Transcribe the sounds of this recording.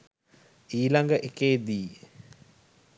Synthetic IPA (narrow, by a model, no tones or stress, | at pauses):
iːlaŋɡəʔekeːd̪iː